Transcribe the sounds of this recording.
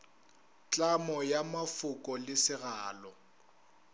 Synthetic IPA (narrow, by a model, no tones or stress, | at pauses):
t͡ɬʼamɔjamafʊkʼɔlɪsɪɣaːlɔ